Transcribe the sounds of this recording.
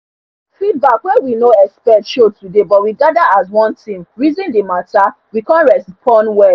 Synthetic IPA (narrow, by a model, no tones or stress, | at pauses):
fid̚bakwɛwinoɛkspɛtʃotudebɔt̚wiɡadaas̬wɔ̃ntʰĩmɹizĩndemata | wikãnɹɛspʰɔ̃nwɛ